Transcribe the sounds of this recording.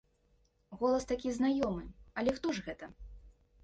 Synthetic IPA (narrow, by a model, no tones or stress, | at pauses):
ɣɔlˠɐst̪akʲiznajɔmɨɐlʲɛxt̪ɔʐɣɛt̪ɐ